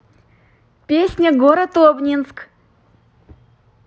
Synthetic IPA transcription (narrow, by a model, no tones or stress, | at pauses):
pʲesʲnʲəɡoɾət̪obnʲinsk